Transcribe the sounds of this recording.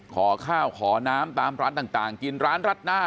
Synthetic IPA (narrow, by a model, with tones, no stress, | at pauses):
kʰɔː˩˦kʰaː˥˩wkʰɔː˩˦naː˦˥mt̪aː˧mɾaː˦˥nt̪aː˨˩ŋt̪aː˨˩ŋki˧nɾaː˦˥nɾa˦˥t̪̚naː˥˩